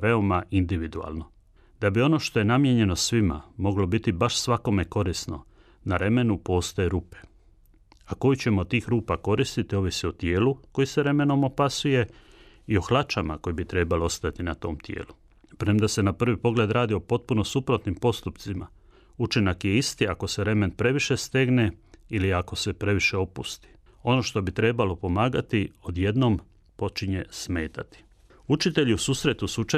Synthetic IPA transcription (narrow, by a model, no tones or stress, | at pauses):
ʋe̞o̞maʔind̪iʋid̪ua̰ːlno̞ | d̪̥abio̞no̞ʃt̪o̞je̞namje̞ɲe̞no̞sʋima̰mo̞ɡlo̞bit̪ibaʃsʋako̞me̞ko̞ɾisno̞̰ | naɾe̞me̞nupo̞ːst̪ojeɾuːpe | ako̞jut͡ɕe̞mo̞t̪ːiːxɾuːpako̞ɾist̪it̪io̞ːʋisio̞t̪je̞ːluko̞jiseɾe̞me̞no̞mo̞pasuje̞ | io̞xlat͡ʃama̰ko̞jibit̪ɾe̞baloo̞st̪at̪inat̪o̞̰ːmt̪je̞̰ːlu | pɾemd̪ase̞napr̩ʋipo̞ɡle̞d̪ɾaːd̪io̞po̞t̪̚puno̞supɾo̞t̪nimpo̞st̪upt̪sima̰ | ut͡ʃinakje̞ist̪iako̞seɾe̞men̚pɾe̞ʋiʃe̞st̪e̞ɡneiliako̞se̞pɾe̞ʋiʃe̞o̞pṵst̪i̥ | o̞no̞ʃt̪o̞bit̪ɾe̞balo̞po̞maːɡat̪io̞d̪je̞d̪no̞m | po̞t͡ʃiɲe̞sme̞ːt̪at̪i̥ | ut͡ʃit̪e̞ʎiusuːsɾe̞t̪usut͡ʃa